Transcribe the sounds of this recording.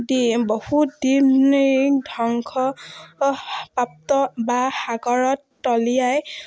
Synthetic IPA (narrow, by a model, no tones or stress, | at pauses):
dibohutdindʱɔŋkʰɔ | pap̚tɔbaxaɡɔɹɔtːɔlijaj